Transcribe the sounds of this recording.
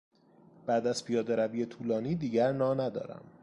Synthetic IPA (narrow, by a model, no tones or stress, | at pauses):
b̥æːd̪æz̥pʰijɒːd̪eɾæviːjet̪ʰuːlɒːniːd̪iːɟæɾnɒːnæd̪ɒ̰ːɾæ̰m